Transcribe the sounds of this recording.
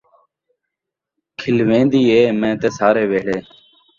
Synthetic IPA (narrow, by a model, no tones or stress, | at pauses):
kʰɪlʋẽːnd̪iːɦeːmẽːt̪eːsaːɾeːʋeːɭeː